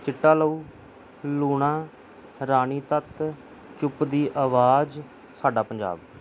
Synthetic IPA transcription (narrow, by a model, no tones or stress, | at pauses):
t͡ʃɪʈːaːləuː | luːɳ̃ãː | ɾaːñiːt̪ət̪ | t͡ʃʊpd̪iːʔaːʋaːd͡ʒ | saːɖaːpəɲd͡ʒa̰ːb